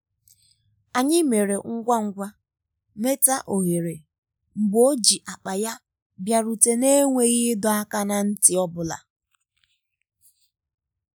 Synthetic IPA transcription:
a˨ɲɪ˦me˨ɾe˨ŋ̩˦ɡʷa˦ŋ̩˦ɡʷa˦ | me˦ta˦ʔo˨ɦe˨ɾe˨ | ŋ͡m̩˨ɡ͡bo˦d͡ʒi˨ʔa˨k͡pa˨ja˦ | bja˨ɾu˨te˨ne˦ŋʷe˦ɣɪ˦dɔ˨a˦ka˦na˨n̩˦tɪ˨ɔ˦bʊ˨la̰˨

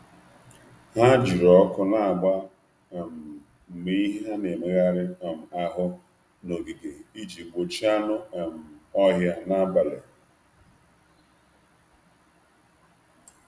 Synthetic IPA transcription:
ɦa˦d͡ʒi˨ɾɔ˨˦kʊ˦na˨a˨ɡ͡ba˦˨ | m̩˨ | me˦i˦ɦa˦ne˨me˨ɣa˦ɾɪ˦a˨m̩˨a˦ɦʊ˦ | no˨ɡi˨ɡe˨i˦d͡ʒi˨ɡ͡bo˨t͡ʃi˦a˦nʊ˦a˨m̩˨ɔ˦ɦja˦na˦ba˨le˨

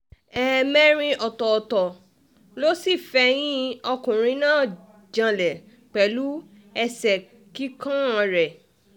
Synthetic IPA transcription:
ɛ˦mɛ˦ɾ̃ĩ˧ʔɔ˨tɔ˨tɔ˨ | lo˦si˦˨fɛ˧j̃ĩ˦ɔ˧kũ˨ɾ̃ĩ˧˦nãː˦˨ | d͡ʒã˧lɛ˨ | k͡pɛ˨lu˦ | ɛ˧sɛ˨ | ki˦kã˦ã˧ɾɛ˨

